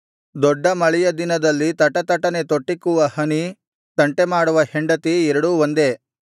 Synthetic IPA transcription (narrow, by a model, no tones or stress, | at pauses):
d̪ɔɖːɐmɐɭɛjɐd̪inɐd̪ɐlːit̪ɐʈɐt̪ɐʈɐnet̪oʈːikuʋɐhɐni | t̪ɐɳʈemaːɽuʋɐheɳɖɐt̪iɛɾɐɽuʋond̪e